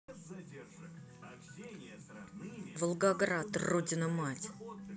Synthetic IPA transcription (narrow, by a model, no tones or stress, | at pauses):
vəlˠɡaɡɾat̪rodʲɪnəmatʲ